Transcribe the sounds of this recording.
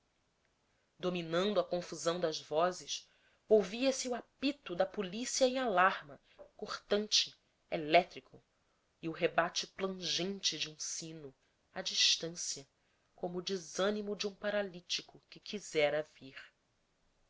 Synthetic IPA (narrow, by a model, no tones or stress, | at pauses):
d̪ominɐ̃nd̪ʊɐkõfuzɐ̃w̃d̪ɐzvɔzɪʃ | owviɐsɪuapit̪ʊd̪ɐpulisiɐẽj̃alaɾmɐ | koχt̪ɐ̃nt͡ʃɪ | elɛt̪ɾikʰʊ | iʊɦebat͡ʃɪplɐ̃ʒẽnt͡ʃɪd͡ʒɪũsĩnʊ | ad͡ʒiʃt̪ɐ̃siɐ | kõmʊːd͡ʒizɐ̃nimʊd͡ʒɪũpaɾalit͡ʃikʊkɪkʰizɛɾɐviɾ